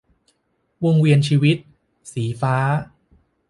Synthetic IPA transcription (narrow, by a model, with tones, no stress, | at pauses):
woː˧ŋwi˧ənt͡ɕʰiː˧wi˦˥t̪̚ | siː˩˦faː˦˥